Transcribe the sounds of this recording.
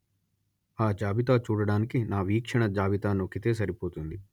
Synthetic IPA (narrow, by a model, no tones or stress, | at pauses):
aːd͡ʒaːbɪt̪aːt͡ʃuːɽɽaːnkinaːʋiːkʃəɽ̃ɐd͡ʒaːbɪt̪aːnoːkʰɪt̪es̬ɐɾipoːt̪ɦũnd̪i